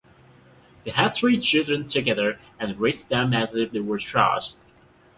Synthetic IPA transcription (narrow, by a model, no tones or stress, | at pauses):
ðeæd̪̚θɹit͡ʃʰɪlˠdɹɨ̃ntʰɨɡɛðə˞ | ɨ̃nɹeɪsd̥ãnæzðeðewə˞tʰɹ̥ʌ̰st̚